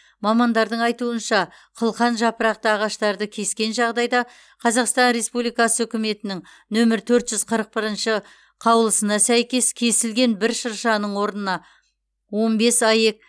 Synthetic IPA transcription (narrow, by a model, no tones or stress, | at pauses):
mɑmɑnd̪ɑɾd̪əɴɑjt̪uənʃɑ | qʰəlˠqɑnʒɑpəɾɑq̚t̪əɑʁɑʃt̪ɑɾd̪əkʲʰe̞skʲe̞nʒɑʁd̪ɑjd̪ɑ | qʰɑzɑqst̪ɑnɾe̞spublˠijkɑsəʏkʲɪme̞t̪ɪnɪŋ | nɵmɪɾt̪ʰɵɾt̪ʒ̥ʏz̥qʰəɾəq̚bɪɾənʃə | qʰɑwlˠəsənɑsæjkʲe̞skʲʰe̞sɪlɡʲe̞nbɪɾʃəɾʃɑnəɴwo̞ɾd̪ənɑ | wo̞nbe̞sɑje̞k̚